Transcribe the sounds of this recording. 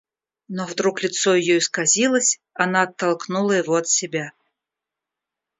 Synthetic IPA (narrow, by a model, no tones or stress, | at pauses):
nɔvd̪ɾuklʲɪt̪sɔjɪjɔiskazʲilˠəsʲ | anaːt̪ːalˠknulˠəjɪvɔɐt̪sʲɪbʲa